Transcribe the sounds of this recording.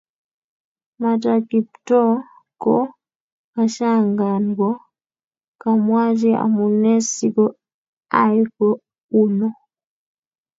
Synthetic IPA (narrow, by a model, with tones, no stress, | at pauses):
ma˨takiptɔ˦ | kɔ | kaʃaŋɡa˨nɡɔ˦ | ka˨mwa˦t͡ʃɛ˦a̰˨mu˨nɛ˦sikɔ˦ | a˦jkɔ | unɔ